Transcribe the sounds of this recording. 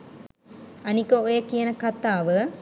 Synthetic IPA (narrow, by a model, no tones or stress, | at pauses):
ɐnikəojəkijənəkɐt̪ːaːʋə